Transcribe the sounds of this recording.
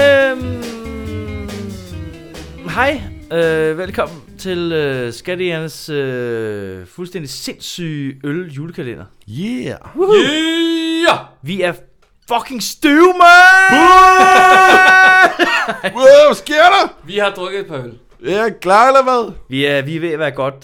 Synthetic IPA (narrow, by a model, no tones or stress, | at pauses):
øm | ɦɑɪøʋelkʰɒ̽m̰n̩t͡sʰe̝løsɡ̥æɾiænəsø | fulsd̥en̰d̥ise̝nsy̰ːøljuːləkʰælen̰ɐ | jæ | ʋiæɐ | fɒkʰe̝ŋsd̥umæ | sɡ̥e̝ɐ̰ɾɐʋihɑ̈d̥ʁœɡ̥ð̩ˠed̚pʰɑ̈øl | jæklɑ̈ːlɐʋæðˠʋiæʋiʋe̝ɐʋæːɐɡ̥ɒ̽d̥